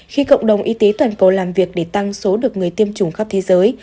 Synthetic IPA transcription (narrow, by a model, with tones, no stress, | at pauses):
xi˧kə̰˧˨wŋ͡mɗə˨˩wŋ͡mʔi˨˧˦t̪e˨˦t̪waː˨˩nkə˨˩wlaː˨˩mvi˨˩ək̚ɗe˧˩t̪a˧ŋso˨˦ɗɨ˨˩ək̚ŋɨ˨˩əjt̪i˧əmt͡ɕʊ˧˩ŋ͡mxa˦˥p̚t̪ʰe˨˦zəː˨˦j